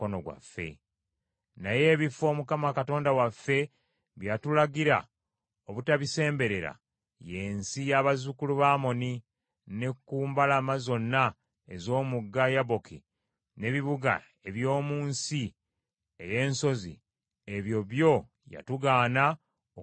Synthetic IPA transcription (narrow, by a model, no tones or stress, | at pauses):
onoɡwa̰fːe̞̰ | naje̞ːβifo̞ːmukamakato̞ːndawafːe̞ | βjatulaɡiɾa̰ | oβutaβise̞ːmbe̞ɾe̞ɾa̰ | je̞ːnsijaβazukuluβaːmo̞ni | ne̞kːuːmbalamazo̞nːa | e̞zo̞ːmuɡːajaβo̞ki | ne̞βiβuɡa̰ | e̞βjo̞ːmuːnsi | eje̞ːnso̞zḭ | eβjo̞βjo̞ | ja̰tuɡaːna | o